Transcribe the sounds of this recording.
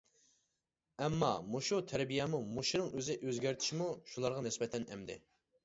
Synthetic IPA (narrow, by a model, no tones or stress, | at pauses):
ɛmːɑ̰moʃut̪ʰɛɾbijɛmumoʃunɨŋøzɪʔøzɡʲæɾt̪ʰɪ̥ʃmuʃulˠɑɾʁɑnɪsbɛt̪ʰɛnɛmd̪ɪ̰